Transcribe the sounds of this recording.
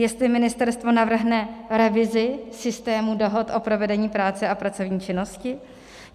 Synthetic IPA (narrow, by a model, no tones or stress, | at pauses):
jɛst̪lɪmɪnɪst̪ɛɾst̪vo̞navr̩ɦnɛɾɛvɪzɪsɪst̪ɛːmudo̞ɦo̞t̪ʔo̞pɾo̞vɛdɛɲiːpɾaːt͡sɛapɾat͡so̞vɲiːt͡ʃɪno̞scɪ